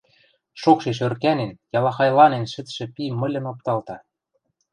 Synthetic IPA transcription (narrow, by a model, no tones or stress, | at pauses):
ʃokʃeʃ̬ørkænenjɑlɑxɑjlɑnenʃɘ̆t̪ʃɘ̆pimɤ̆lʲɤ̆nop̚t̪ɑlt̪ɑ